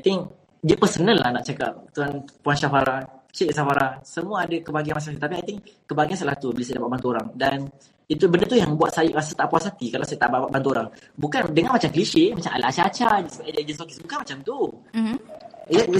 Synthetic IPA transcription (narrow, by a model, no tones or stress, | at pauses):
ajt̪ɪŋk | dəpəsənəlːa̰hnaʔt͡ʃaka̰p̚t̪uanpuanʃafaɾaht͡ʃeʔsafaɾasəmũaːdakəbaɡianmas̬aŋat̪it̪ap̬iajt̪ɪŋkəbaɡians̬əlaht̪ubəlasajidapaʔbant̪uoɾaŋdan | it̪ubəndət̪ujaŋəbua̰t̪̚sajʔɾasət̪aʔpuasat̪ikalawsajt̪aʔbaʔaʔbant̪uoɾaŋbukandəŋanmat͡ʃamkəliʃemat͡ʃama̰laat͡ʃat͡ʃad͡ʒsəbaad͡ʒd͡ʒənsɔkisbukanmat͡ʃamt̪u